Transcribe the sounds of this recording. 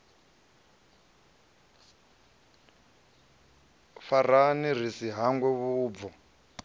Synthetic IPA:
faranir̤isiɦaŋɡwɛβuːb̪vɔ

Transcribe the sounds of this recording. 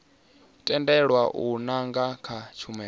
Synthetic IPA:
utʼɛndɛɺwaʔunaŋɡakʰat͡ʃʰumɛ

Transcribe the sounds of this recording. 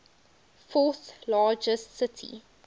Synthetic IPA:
fɔˑθlɑːd͡ʒəstsɪtʰḭ

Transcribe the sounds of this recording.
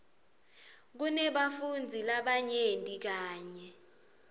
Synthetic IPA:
k̬unɛɓafund͡zʱilaɓaɲendʼik̬aːɲɛ

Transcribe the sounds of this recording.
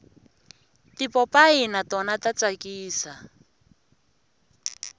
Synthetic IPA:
tipɔpʼainatɔnatat͡sakʼiːsa

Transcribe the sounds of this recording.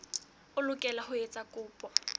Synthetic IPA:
ʊlʊkʼɛlahʊet͡sʼakʼʊːpʼɔ

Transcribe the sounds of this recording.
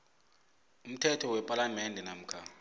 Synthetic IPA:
um̩tʰɛtʰɔwɛpʼalamɛndʱɛnam̩kʰa

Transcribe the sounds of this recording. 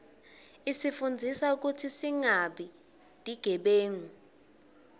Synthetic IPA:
isifund͡zʱisauk̬utʰisiŋaɓi | d̥ʱiɡ̥ʱɛɓeːŋu

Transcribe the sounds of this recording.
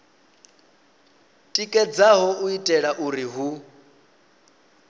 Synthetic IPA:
tʼikʼɛd͡zaɦɔuitʼɛɺaʔuɾiɦu

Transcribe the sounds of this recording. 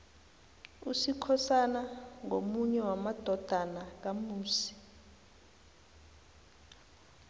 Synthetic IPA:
usikʰɔsanaŋomuɲɛwamad̥ʱɔd̥ʱanak̬amuːsi̥

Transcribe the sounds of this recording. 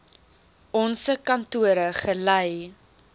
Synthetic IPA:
ɔnsəkɐntuəɾəχələj

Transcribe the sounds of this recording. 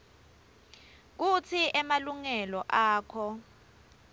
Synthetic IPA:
k̬ut͡sʰiʔɛmaluŋɛlɔʔaːkʰɔ

